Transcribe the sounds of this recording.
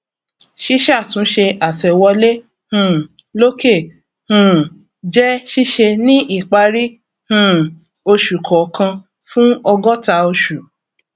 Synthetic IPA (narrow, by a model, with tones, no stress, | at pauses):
ʃi˦ʃa˦˨tũ˨˦ʃe˧ʔa˨tɛ˨wɔ˧le˦ | hũ˦˨ | lo˦ke˦˨ | hũ˦˨ | d͡ʒɛ˦ʃi˦ʃe˧nĩ˦ʔi˦˨k͡pa˧ɾi˦ | hũ˦˨ | o˧ʃu˨kʰɔ˨kã˧ | fũ˦ɔ˧ɡɔ˦ta˧o˧ʃu˨